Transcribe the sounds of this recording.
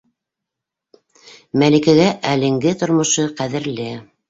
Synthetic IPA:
mælɘ̆kæɡæʔælɘ̆ŋɡɘt̪ŏɾmŏʃɤqæðɘ̆ɾlɘ

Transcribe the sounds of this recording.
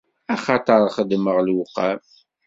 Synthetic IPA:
æχɑt̪ˤəɾˤχəd̪məʁlwʊqːæm

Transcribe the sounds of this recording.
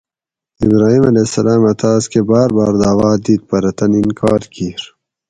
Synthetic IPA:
ibɾaːɦiːmɐleːsɐlaːmɐt̪aːskebaːɾbɑːɾd̪aːʋaːd̪iːt̪̚pɐɾɐt̪ɐninkʰɑːɾkiːɾ

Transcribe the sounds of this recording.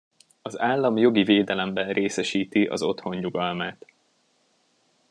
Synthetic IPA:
ɒzaːlːɒmjo̞ɡiveːd̪ɛlɛmbɛnreːsɛʃiːt̪iʔɒ̰zo̞t̪ho̞ɲɲuɡɒlmaːt̪

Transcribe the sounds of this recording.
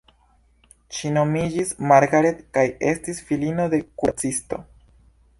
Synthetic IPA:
ʃino̞mid͡ʒismaɾɡaɾetkaje̞stisfilino̞de̞kuɾt͡sisto̞̰

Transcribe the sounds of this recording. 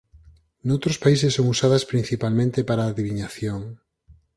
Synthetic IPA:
nowt̪ɾospaisesːoŋusaðaspɾinθipalmẽnt̪epaɾaːðiβiɲaθjoŋ

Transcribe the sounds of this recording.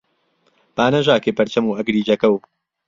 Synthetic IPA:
b̥aːnɐʒaːkeːpɐɾt͡ʃɐmuːɐɡɾiːd͡ʒɐkɐw

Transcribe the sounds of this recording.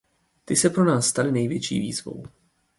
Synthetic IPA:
t̪ɪsɛpɾo̞naːsːt̪alɪnɛjvjɛt͡ʃḭːvḭːzvo̞̰w

